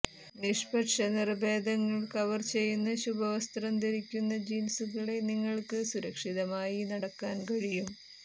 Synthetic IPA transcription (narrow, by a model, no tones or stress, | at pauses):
niʂpɐʈʂɐnirbe̞ːd̪ʱɐŋːɐɭkɐʋɐrt͡ɕe̞jːunːɐɕubʱɐʋɐst̪rɐmd̪iɾikʲːunːɐd͡ʑinsuɣɐɭe̞niŋːɐɭkɨsuɾɐkʂiðɐmaːjinɐɽɐkːaːnkɐɻijum